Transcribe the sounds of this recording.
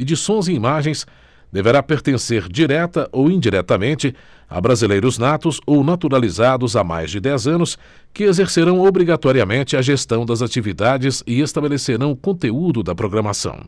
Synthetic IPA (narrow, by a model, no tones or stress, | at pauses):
ed͡ʒisõj̃zĩimaʒẽj̃s | d̪eveɾapeɾt̪ẽseɾd͡ʒiɾɛt̪ɐʔowĩd͡ʒiɾɛt̪ɐmẽnt͡ʃɪ | a̰bɾazilejɾʊznat̪ʊzownat̪uɾalizad̪ʊzama̰jzd͡ʒɪd̪ɛzɐ̃nʊs | kɪezeɾseɾɐ̃w̃obɾiɡat̪ɔɾiɐmẽnt͡ʃɪɐʒest̪ɐ̃w̃d̪ɐzat͡ʃivid̪ad͡ʒɪzɪest̪abeleseɾɐ̃w̃ʊkõnt̪eud̪ʊd̪ɐpɾoɡɾɐmasɐ̰̃w̃